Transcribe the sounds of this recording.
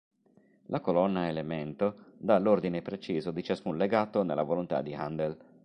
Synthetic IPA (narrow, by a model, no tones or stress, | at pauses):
lʔakolɔnːaelement̪od̪alːord̪inepɾet͡ʃiːzod̪it͡ʃaskunleɡaːt̪onelːavolont̪a̰d̪iand̪el